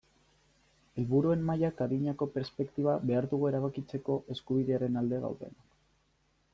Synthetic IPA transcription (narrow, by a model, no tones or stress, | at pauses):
e̞lβuɾue̞nmajakaðiɲako̞pe̞ɾspe̞kt̪iβ̞aβe̞aɾðuɣ̞ue̞ɾaβ̞akit͡se̞ko̞ʔe̞skuβiðe̞aɾe̞nald̪e̞ɣa̰wðe̞̰nak